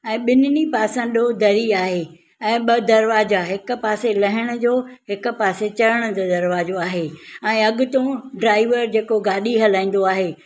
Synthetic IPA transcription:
ɛ̃ːɓɪnɪnipaːsə̃nd̪od̪ɐɾiaːɦeː | ɛ̃ːɓɐd̪ɐɾʋaːd͡ʑaɦɪkʊ̆paːselɐɦɪɽ̃ʊ̆d͡ʑoːhɪkʊ̆paːset͡ɕɐɾəɽ̃ʊ̆d͡ʑoːd̪ɐɾʋaːd͡ʑoaːɦeːɛ̃ːɐɠʊt̪õɖɾaːɪʋəɾd͡ʑeːkoɡaːɗiɦɐlãːĩːn̆d̪oaːɦeː

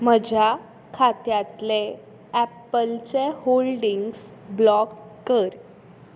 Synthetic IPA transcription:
məd͡ʑʱa | kʰat̪jat̪le | ɛpəlt͡seholɖiŋɡsblɔkkəɾ

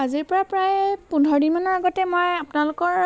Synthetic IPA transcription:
aziɹpɔɹapɹajpundʱɔɹdinmanɔaɡɔtɛmojapʊnalʊkɔɹ

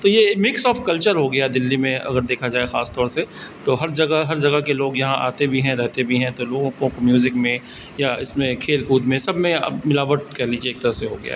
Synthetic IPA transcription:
t̪ojemɪksɔːfkɐlt͡ʃəɾɦoɡɐjad̪ɪlːimẽɐ̰ɡəɾd̪eːkʰad͡ʒaːexaːst̪ɔːɾset̪oɦɐɾd͡ʒɐɡaɦɐɾd͡ʒɐɡəkeloːɡjɐɦãʔa̰ːt̪ebʱiɦɛ̃ɾɛɦt̪ebʱiɦɛ̃t̪oloːɡõkõkomjuːzɪkmẽ | jaɪsmẽkʰeːlkuːd̪mẽsɐbʱmẽɐ̰mɪlaːʋəʈ̚kɐɦliːd͡ʒieːkt̪ɐɾəseɦoɡɐja̰

